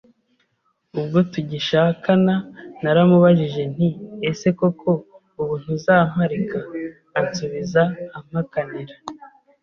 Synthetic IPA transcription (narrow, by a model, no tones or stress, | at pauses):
ub̚ɡotuɟiʃaːkananaɾamuβaʒiʒe̞n̥iese̞ko̞kʰo̞ | uβuːn̥huzaːm̥aɾikaː | suβizaːm̥hakaniɾa